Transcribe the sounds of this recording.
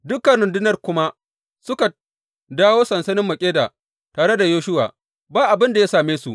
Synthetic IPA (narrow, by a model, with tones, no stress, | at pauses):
dʊ˦kɐ˨nɽʊ˨ndʊ˦nɐ˦˨rkʷʊ˦ma˦ | sʊ˦ka˨ | daː˦woː˦sɐ˨nsɐ˦nɪ˦mːɐ˨kʲʼeː˦da̰ː˨ | taː˨ɽe˦da˨joː˦ʃʊ˦wa̰ː˨ | baː˦ʔa˨bɪ˦nda˨jaː˦saː˨meː˦su˨ʔ